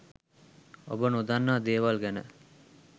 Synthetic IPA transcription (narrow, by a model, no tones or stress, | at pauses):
o̰bənud̪anːaːd̪eːʋalɡænə̰